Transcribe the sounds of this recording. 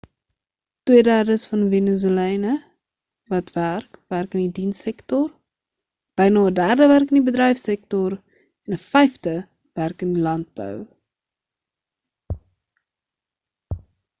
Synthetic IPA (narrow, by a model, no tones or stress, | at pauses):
twiədærdəsfɐnvinuzulɛjnə | vɐtværkværkənidinsɛktɔr | b̥əjnɑədærdəværkənibədɾɛjfsɛk̚tɔr | ɛnəfɛjftə | værkəndilɐnt̚bœ̰w